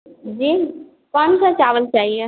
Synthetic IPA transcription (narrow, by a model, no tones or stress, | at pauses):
d͡ʒiː | kɔ̃ːnsat͡ʃaːʋəlt͡ʃaːɦie